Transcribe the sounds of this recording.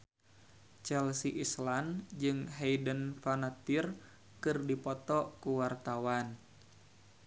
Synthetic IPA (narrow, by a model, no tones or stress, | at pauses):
t͡ʃɛlsiʔisland͡ʒɨŋɦejdənfanat̪ir | kɨrdipɔt̪ɔkuwart̪awan